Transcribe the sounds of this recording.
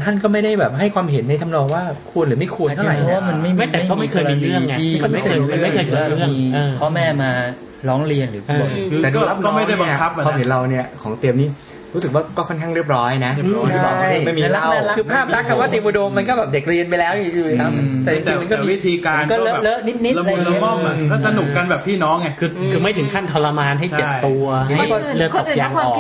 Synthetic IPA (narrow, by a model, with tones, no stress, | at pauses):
t̪ʰa˥˩nkɔː˥˩ma˥˩jda˥˩jbɛː˨˩p̚ɦa˥˩jkʰwaː˧mɦe˩˦nːa˧jt̪ʰa˧mnɔː˧ŋwaː˥˩ | kʰu˧nɾɯː˩˦ma˥˩jkʰu˧nʰ˧˥˧a˨˩jʰwaː˥˩ma˧˥˧nma˥˩jmː˥˩˧a˥˩jima˥˧kʰːɾɾɯ˥˩ə˧i˧kɔ˥˩˥ɯ˥˩˥ŋː˧ɯ˩˦waː˥˩˥mi˧kʰɔː˦˥mɛː˥˩maː˧ | ɾɔː˦˥ŋɾi˧ənɾɯː˩˦pʰu˨˩ət̪ɛː˨˩duː˧a˦˥˩nɔ˥˧˩ma˥˩˥waː˧mɦe˩˦nɾa˧wni˥˩ɐkʰɔː˩˦ŋt̪i˧əmniː˦˥˩ | ɾuː˦˥sɯ˨˩k̚waː˥˩kɔː˥˩kʰɔ˥˩nkʰa˥˩ŋɾi˥˩əp̚ɾɔː˦˥jna˦˥ʔɔ˨˩a˥˩ja˥˩miː˧a˧˥la˦˧a˧˥a˦˥kɯː˧pʰaː˦˥˩pɾa˦˥˩kʰːa˧waː˥˩t̪i˧mʔu˧do˧mːa˧nkɔ˥˩bɛː˨˩de˨˩k̚ɾi˧ənpa˧jlɛː˦˥wni˧˩juː˨˩˨t̪a˧˩m˩t̪ɛː˨˩t͡ɕi˨˩ŋt͡ɕiː˧ma˧nkɔː˥˨miː˧wi˦˥t̪ʰiː˧kaːmː˧nkɔː˥˩lɤ˦˨lɤ˦˥ni˦˥t̪̚ni˦˥˧lːɔ˥˩˧ɔː˥˩sa˧nu˨˩kkːa˧nbɛː˨˩pʰiː˥˩nɔː˦˥ŋːɛ˧˩kʰɯː˧kʰɯː˧ma˥˩jt̪ʰɯ˩˦ŋkʰa˥˩nt̪ʰɔ˧la˧maː˧nɦa˥˩jt͡ɕe˨˥˩t̪u˧ɐ˧a˥˩ɔ˧˥˩dəː˧o˨˩˧jaː˨˧˩ŋ˧ɔː˨